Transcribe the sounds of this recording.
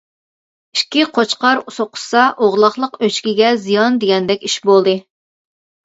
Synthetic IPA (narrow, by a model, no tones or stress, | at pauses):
i̥ʃkʲːiqʰot͡ʃqɑɾusoqʰʊ̥sɑʔoʁlˠɑχlˠəqøt͡ʃkʲiɡʲɛzijɑnd̪eɡʲɛnd̪ɛkʲiʃbolˠd̪ɨ